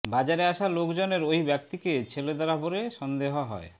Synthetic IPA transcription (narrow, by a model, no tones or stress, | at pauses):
bad͡ʑaɾeaʃalokd͡ʑoneɾojbɛk̚t̪iket͡ɕʰeled̪aɾapoɾeʃɔnd̪eɦoɦɔ̰e